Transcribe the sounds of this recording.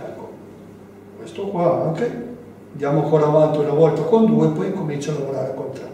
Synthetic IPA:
ko | kwest̪okwaaŋke | d̪jaːmoaŋkoɾaːvant̪iunavɔlt̪akond̪uːepɔjiŋkomint͡ʃalavoɾaːɾekont̪a

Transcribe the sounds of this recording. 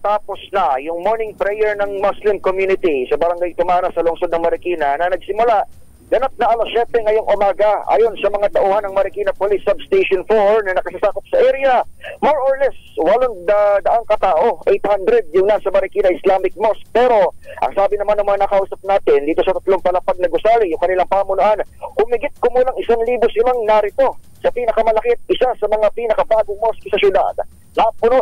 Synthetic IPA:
t̪aːpo̞snɐjʊŋmoɹnɪŋpɾɛjɛɹnɐŋmoslɪmkomjuːnɪt̪isɐbɐɾɐŋɡajt̪ʊmaːnɐsɐlʊŋsod̪nɐŋmɐɾɪkiːnɐnɐnɐɡ̚sɪmʊlaʔ | ɡ̥ɐnap̚nɐʔɐlɐsɛt̪ɛŋɐjo̞ŋʔʊmaːɡɐa̰ːjo̞nsɐmɐŋat̪ɐʔuːhɐnɐŋmɐɾɪkiːnɐpolisːɐbst̪ejʃonfoɹnɐnɐkɐsasaːkop̚sɐʔɛɾɪjɐmoɹoɹlɛswɐloŋd̪ɐd̪ɐʔaŋkɐt̪aːʔo̞ʔejt̪hand̪ɾɛd̪̚jʊŋnasɐmɐɾɪkiːnɐʔɪslaːmɪk̚mosk̚pɛːɾo̞ʔɐ̰ŋsaːbɪnɐmanːɐŋmɐaŋanɐkɐʔuːsɐp̚naːt̪ɪnd̪iːt̪o̞sɐt̪ɐt̪loŋpɐlɐpɐɡ̚nɛɡʊsaːɾijʊŋkɐnɪlaŋpaːmʊnʊʔanhʊmɪɡɪt̪̚komuːlɐŋɪsaŋliːbosɪmaŋnaɾɪt̪o̞sɐpiːnɐkɐmɐlɐkɪt̪̚ɪsasɐmɐŋapiːnɐkɐbaːɡʊŋmoskɪsɐsʊd̪a̰d̪̚ | napʊno

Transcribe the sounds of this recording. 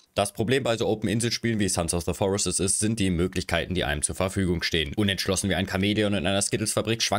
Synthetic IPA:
d̥aspʁ̥obleːmbaɪzoːʔoʊpn̩ɪnzl̩ʃpiːlənviːsansaʊfðəfɔʁɪsəsɪstz̥ɪnt̚d̥iːmøːklɪçkʰaɪtn̩diːʔa̰ɪəmt͡suːɐfɛɐfyːɡʊŋʃteːənʔʊnɛntʃlɔsn̩viːaɪnkʰameːliʊntɪnʔaɪnɐskɪtl̩sfabʁikʃv̥a

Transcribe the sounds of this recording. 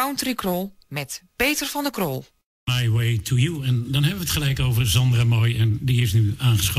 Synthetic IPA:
awntrikrɔlˠmɛtpeːtərvɔndəkrolˠ | majwejtʰujuɛndɔnɦɛbəʋətχəlɛjkowvərzɑndramɔjɛndiɪsnyaːnχəsχ

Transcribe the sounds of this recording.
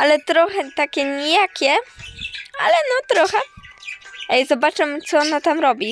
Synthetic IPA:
alɛt̪ɾɔxɛt̪akʲɛɲijakʲɛ | a̰lɛnɔt̪ɾɔxɛ | ɛjzɔbat͡ʂɛmt̪sɔɔnat̪amɾɔbʲi

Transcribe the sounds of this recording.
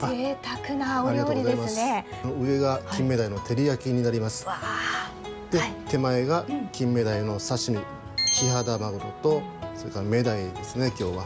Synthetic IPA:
aet̪akɯnaoaɾiɡaoɡizaejmasne | noɯ̟e̞ɡakʰʲĩmːe̞d̪aino̞t̪ʰe̞ɾʲijakʲiɲ̟inaɾʲimasɨ̥a | d̪̥e̞t̪e̞mae̞ɡakʲĩmːe̞d̪aino̞saɕimʲi | kʲiɦad̪amaɡɯɾot̪o̞so̞ɾekaɾame̞d̪aid̪e̞sɨne̞kʲo̞ːβa

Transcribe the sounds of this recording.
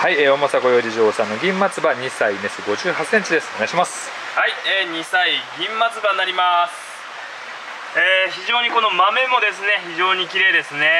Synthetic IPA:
haieo̞mosaɡo̞jo̞ːɾʲiʑoːsãnːoɡʲĩmːat͡sɨbaɲ̟isaine̞sɨɡo̞ʑɨːhasːẽ̞ɲ̟t͡ɕid̪e̞sɨ̥neɡaiɕimasɨ̥ | haieːɲ̟isaiɡʲĩmːat͡sɨbanːaɾʲimasɨ̥ | eçiʑo̞ːɲ̟iko̞no̞mame̞mo̞d̪e̞sɨne̞çiʑo̞ːɲ̟ikʲiɾe̞ːd̪e̞sɨne̞

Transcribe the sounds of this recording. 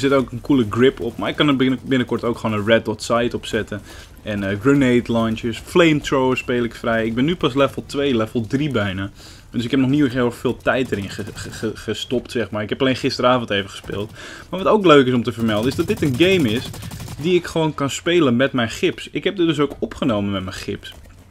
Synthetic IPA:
sɪtoːkənkuləɡrɪpʰɔpmaɹɪkːɑnəbɪnəkɔɹtowkχəoːnənrɛt̚ɔtsajtɔpsɛtə | ɛnəɡrinejtlajnt͡ʃəsfleːmtroːəspeːlˠɪkfrɛjɪɡ̚bɪnːypɑs̬lɛfəl̩ˠtʋeːlɛfəlˠdribɛjnə | døs̬ɪkhɛpnɔxniəheːxfɪːlˠtɛjt̚dərɪnəəəəstɔptsɛxmarɪkɦɛpaleːnχɪstəɾaːfn̩tejvəχə̥spḛːlˠtmaɹʋɔtoːkløːkɪsɔmtəvərmɛlˠdənɪzdɑt̚dɪtənɡejmɪsdiɪkχəʋoːnkɑnspeːlˠənmɛtmɛjnxɪpsɪkɦɛp̚dɪtdøs̬owkɔpχənowmənmɛtmɛjxɪps

